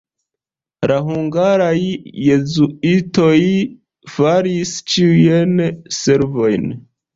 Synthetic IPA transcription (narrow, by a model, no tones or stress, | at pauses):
ɾaɦuŋɡaɾajːe̞zuito̞j | faɾist͡ʃiujense̞ɾvo̞jn